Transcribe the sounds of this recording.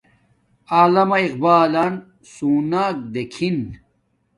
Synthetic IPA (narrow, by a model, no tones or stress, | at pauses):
aːlɐmɐiqbaːlan | suːnaːk̚d̪ekʰin